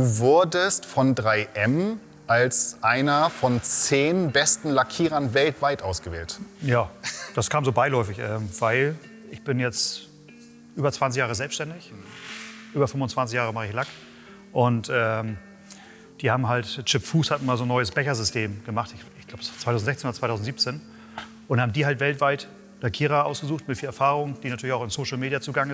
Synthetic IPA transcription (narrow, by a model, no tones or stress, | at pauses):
d̥uːvʊɐdəstfɔndʁaɪʔɛm | ʔalsʔaɪnɐfɔnt͡seːnbɛstn̩lakʰiːʁɐnvɛltv̥aɪtʔaʊsɡ̥əvḛːltjaːd̥askʰaːmzoːbaɪlɔʏfɪçʔɛːmvaɪl | ʔɪçb̥ɪnjɛt͡st | ʔyːbɐt͡sv̥ant͡s̬ɪçjaːʁəzɛlpsʃtɛndɪç | ʔyːbɐfʏmfʊnt͡sv̥ant͡s̬ɪçjaːʁəmaχəɪçlak | ʔʊntʔɛːm | d̥iːhaːbm̩ɦaltt͡ʃɪpfuːshatmaːlzoːnːɔʏəsb̥ɛçɐzʏstʰeːmɡ̥əmaχtɪçɪçɡ̥laʊbət͡sv̥aɪaʊzn̩zɛçt͡seːnoɐt͡svaɪtʰaʊzn̩tz̥iːp̚t͡seːn | ʔʊntaːbm̩diːɦaltv̥ɛltv̥aɪt | d̥akʰiːʁaʔaʊsɡ̥əzuːxtmɪtfiːlɛɐfaːʁʊŋd̥iːnatʰyːɐɪçaʊxɪnsoːʃl̩meːdjat͡suːɡaŋɪ